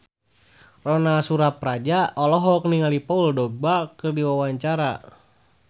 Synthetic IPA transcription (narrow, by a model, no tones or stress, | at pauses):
rɔnasuɾaprad͡ʒaɔlɔɦɔk̚niŋalipauldɔɡ̚bakɨrdiwawaɲt͡ʃaɾa